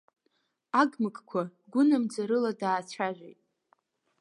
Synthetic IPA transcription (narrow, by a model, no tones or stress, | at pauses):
aɡmɨkʼkʷʰaɡʷʊnamd͡zaɾɨladaːt͡ʃʷʰaʒʷᶣejtʼ